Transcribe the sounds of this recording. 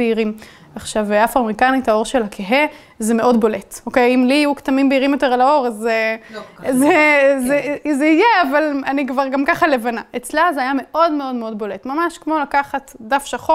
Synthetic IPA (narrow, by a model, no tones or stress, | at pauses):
eiʁim | aχʃavafʁoamʁikanithao̞ʁʃe̞lakʰeɦe | zemeʔo̞dbo̞letokejimliajuktamimbeiʁimjote̞ʁalao̞ʁaze | zezezeijeavalanikvaʁɡamkaχale̞vanaet͡slazeajame̞ʔo̞dme̞o̞dme̞o̞dbo̞le̞tmamaʃkmo̞lakaχatdafʃaχo